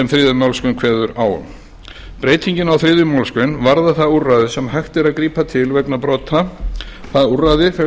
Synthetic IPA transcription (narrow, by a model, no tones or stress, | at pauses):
ɛmθɾɪːðʏmawlskʏnkʰv̥ɛːðʏɾaːwʏ̰m | pɾeːjt̪ʰiɲcɪnawθɾɪːðʏmawlskʏnvaɾðaθaðurːaðɪsɛmhajxt̪ɪɾaðkɾiːpat̪ʰɪlvɛknapɾɔːt̪ʰaθaðuraðɪfɛ